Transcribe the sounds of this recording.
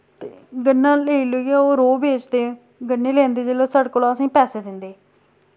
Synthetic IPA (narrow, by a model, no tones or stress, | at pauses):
t̪eːɡənːãːleːiːloiaoːɾoːbeːt͡ʃd̪ẽː | ɡənːeːlɛ̃ːnd̪eːd͡ʒeːloːsəɽkoːlasĩːpɛːseːd̪ɪnd̪eː